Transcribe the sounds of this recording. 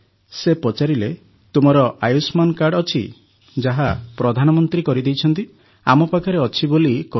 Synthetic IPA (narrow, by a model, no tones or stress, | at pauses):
sepɔt͡ʃaɾile | t̪umɔɾɔʔajusmankaɾɖɔt͡ʃʰḭ | d͡ʒaɦapɾɔd̪ʱanɔmɔnt̪ɾikɔɾid̪ejt͡ʃʰɔnt̪i | a̰mɔpakʰaɾeɔt͡ʃʰibolikɔ